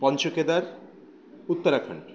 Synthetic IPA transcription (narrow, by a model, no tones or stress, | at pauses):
pɔnt͡ɕoked̪aɾ | ut̪ːoɾakʰɔ̰ɳʈ